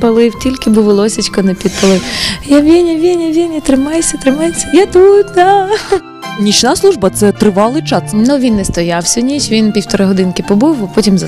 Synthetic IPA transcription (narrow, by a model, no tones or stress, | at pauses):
pɐlˠɪwtʲilʲkɪbʊʋɪlˠɔsʲit͡ʃʲkɔnɛpʲid̪̚pɐlˠɪwjaʋʲinʲɐʋʲinʲɐʋʲinʲɐt̪ɾɪmɑjesʲɐt̪ɾɪmɑjet͡sʲːɐjat̪ut̪d̪a | nʲit͡ʃnaslˠuʒbɐt̪sɛt̪ɾɪʋɑlˠɪt͡ʃɑsnʊʋʲinːɛst̪ɔjawsʲɔnʲit͡ʃʲʋʲinpʲiwt̪ɔɾɪɦɔd̪ɪnkɪpɔbɪwɐpɔtʲimzɐ